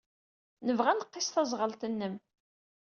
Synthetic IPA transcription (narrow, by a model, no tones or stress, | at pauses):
nəvʁænəqːɪsθɑzˤʁəlt̪ənːəm